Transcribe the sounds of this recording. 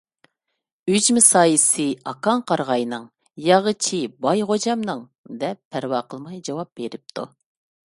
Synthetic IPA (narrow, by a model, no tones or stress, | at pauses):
yd͡ʒmɪsɑːjisɨɑkʰɑŋqʰɑɾʁɑjnɨŋ | jɑʁət͡ʃʰibɑjʁod͡ʒɑmnɨŋ | d̪ɛpʰːæɾwɑːqʰəlˠmɑjd͡ʒɑwɑp̚beɾɪp̚t̪ʰṵ